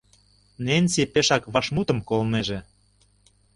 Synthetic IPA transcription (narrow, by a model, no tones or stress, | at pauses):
nenʲsipeʃɑkβɑʃmut̪ə̆mkolneʒe